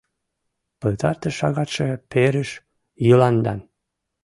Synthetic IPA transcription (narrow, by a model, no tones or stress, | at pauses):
pə̆lt̪ɑrt̪əʃɑɣɑt̪ʃepeɾəʃ | jəlɑnd̪ɑ̰n